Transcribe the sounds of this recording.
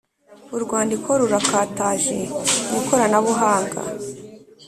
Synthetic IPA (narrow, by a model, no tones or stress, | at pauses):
uɾɡwaːndikʰo̞ɾuɾakaːtaːʒḛɡuko̞ɾanaβuɦaːŋɡa̰